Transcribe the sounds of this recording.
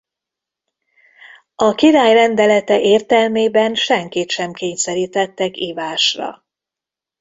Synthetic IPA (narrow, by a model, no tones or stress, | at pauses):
ɒkiɾaːjrɛnd̪ɛlɛt̪ɛʔeːrt̪ɛlmeːbɛnʃɛŋkit̪ʃɛmkeːɲsɛɾiːt̪ɛt̪ːɛkiːvaːʃrɒ̰